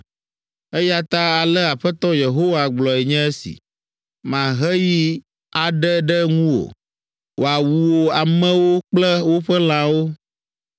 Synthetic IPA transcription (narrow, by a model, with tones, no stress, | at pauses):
e˦ja˦t̪a˦a˨lɛ˦a˨ɸɛ˦t̪ɔ˦je˨ɦo˦wa˨ɡ͡blɔ˨ɛ˨ɲɛ̃˦e˦sḭ˨ | mã˨ɦɛ˦ji˦ | a˨ɖɛ˦ɖɛ˦ŋũ˦wo̰˨ | wʔo˨a˨wu˨wo˨a˨mɛ̃˦wo˦k͡plɛ˦wo˦ɸɛ˦l̃ã˦wo˦